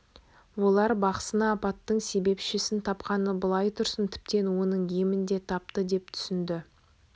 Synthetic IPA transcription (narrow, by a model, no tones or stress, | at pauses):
wo̞lˠɑɾbɑqə̥sənɑːpɑt̪ːəɴse̞be̞pʃɪsɪnt̪ʰɑpqɑnəbəlˠɑjt̪ʰʊɾsənt̪ʰɪ̥p̚t̪e̞nwo̞nəɴemɪnd̪e̞t̪ʰɑp̚t̪əd̪e̞p̚t̪ʰʏ̥sɪnd̪ɪ